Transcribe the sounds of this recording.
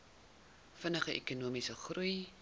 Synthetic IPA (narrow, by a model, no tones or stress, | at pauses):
fənəχəʔekunuəmisəχruj